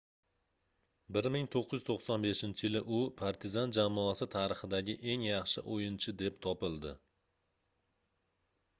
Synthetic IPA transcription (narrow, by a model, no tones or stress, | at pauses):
bɪɾmɪŋt̪ʰoqʰːɨj̪ɪz̥t̪ʰoχsɒnbe̞ʃɪnt͡ʃʰɪjɪlɪʔʊpʰaɾt̪ʰɪzand͡ʒamːɒasɪt̪ʰaɾɨχɨd̪aɡʲɪʔe̞ŋjɑχʃɪ̰ʔojɪnt͡ʃʰɪd̪e̞pt̪ʰɒpɪlˠd̪ɪ